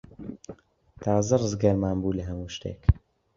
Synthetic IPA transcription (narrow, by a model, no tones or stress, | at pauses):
t̪ʰaːzɐrɨzɡɐɾmaːnbuːlɐɦɐmuːʃt̪ḛːk